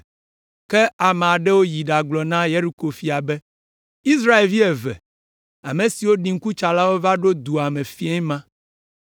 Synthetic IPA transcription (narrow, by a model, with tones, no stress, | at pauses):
kɛ˦a˨me˨a˨ɖɛ˦wo˦ji˨ɖa˨ɡ͡blɔ˨nã˦je˦ɾi˨ko˨fi˨a˨bɛ˦ | i˦sɾa˦e˨lvi˦ɛ˨vɛ̰˨ | a̰˨mẽ˨si˨wo˦ɖi˨ŋ̩˦ku˦t͡ʃa˨la˦wo˦va˦ɖo˦d̪u˨a˨mẽ˨fi˦e˦ɲmã˦